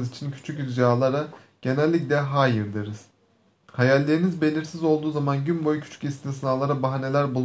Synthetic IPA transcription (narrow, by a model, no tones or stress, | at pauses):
zit͡ʃʰincʰy̥t͡ʃʰycɾd͡ʒaːlˠaɾa | ɟ̥e̞nælʲːiclʲɛɦaːjɯɾd̪ɯɾɯz̥ | hajalʲːe̞ɾinizbe̞lʲiɾsizo̞lˠd̪uːzamanɟynbo̞jcʰy̥t͡ʃʰy̥cist̪nsɯnaːlˠaɾabaɦane̞lʲæɾbulˠ